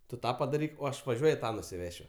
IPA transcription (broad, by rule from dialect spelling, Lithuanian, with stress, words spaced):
ˈtʊ ˈtɑː pɐdɐˈrʲiːk oː ˈɐʃ ʋɐˈʒʲuɔjʊ ˈtɑː nʊsʲɪˈʋʲæːʃʲʊ